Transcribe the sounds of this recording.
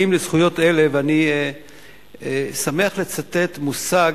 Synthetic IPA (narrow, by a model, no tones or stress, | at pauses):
imlez̥χujo̞te̞le̞veani | esame̞aχlet͡sate̞t̪musaɡ